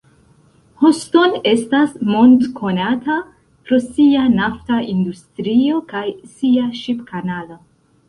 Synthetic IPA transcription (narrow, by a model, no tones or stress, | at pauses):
hosto̞ne̞stasmondkʰo̞nata | pɾo̞sianaftaindustɾio̞kajsiaʃipkanalo̞